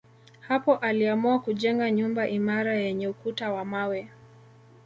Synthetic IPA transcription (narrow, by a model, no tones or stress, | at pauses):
hapɔʔaliamuakuʄɛŋɡaɲumbaʔimaɾajɛɲɛukutawamawɛ